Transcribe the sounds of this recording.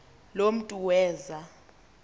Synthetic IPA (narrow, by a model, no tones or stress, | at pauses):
lom̩tʼuwɛːza